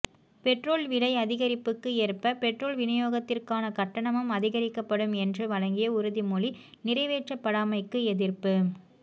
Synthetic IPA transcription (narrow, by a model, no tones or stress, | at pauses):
pɛʈroːlʋɪɻɐɪɐðɪɣɐɾɪpːɯkːɯeːrpɐpɛʈroːlʋɪnɐjoːɣɐt̪ːɪrkaːnɐkɐʈːɐɳɐmɯmɐðɪɣɐɾɪkːɐpːɐɽɯmɛndrɯʋɐɻɐŋɡɪjɐʊɾɯðimuːli | nɪrɐɪʋeːʈt͡ʃɐpːɐɽaːmɐɪkːɯɛðɪrpɯ